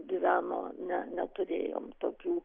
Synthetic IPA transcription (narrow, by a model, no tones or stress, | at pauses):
ɡʲɪʋʲæːno̰ːnʲɛnʲɛt̪ʊɾʲḛːjo̰ːmt̪oːkʲuː